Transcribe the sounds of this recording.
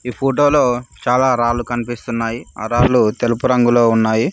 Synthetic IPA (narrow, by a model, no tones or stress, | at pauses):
iːpʰoːʈ̬o̞ːlo̞ːt͡ʃaːlaːɾaːlːukɐnipist̪unːaːjia̰ɾaːlut̪elupuɾɐŋɡulo̞ːunːaːji